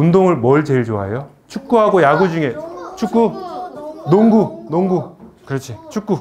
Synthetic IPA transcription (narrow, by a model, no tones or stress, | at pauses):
undoŋɯɭmʌɭt͡ɕeɭt͡ɕoa̰jo | t͡ɕʰuk̚k͈uɦaɡojaɡud͡ʑuŋe̞t͡ɕʰuk͈̚u | noŋɡunoŋɡukɯɾʌt͡ɕʰit͡ɕʰuk͈̚u